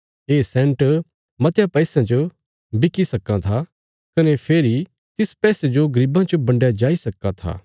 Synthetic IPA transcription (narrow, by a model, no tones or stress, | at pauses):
eːsɛ̃ːɳʈ | mɐt̪japɛːsãd͡ʒo | bɪkːisɐkːãt̪ʰa | kɐnepʰeːɾi | t̪ɪspɛːsed͡ʒoɡɐɾibãt͡ʃəbɐ̃ɳɖjad͡ʒaːisɐkːat̪ʰa̰ː